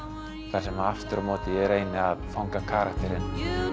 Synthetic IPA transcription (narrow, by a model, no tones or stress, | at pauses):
θasɛmaft̪ʏɾmoːt̪ɪɛɾeːjnɪaðfawŋkakʰaːɾakt̪ɛɾɪn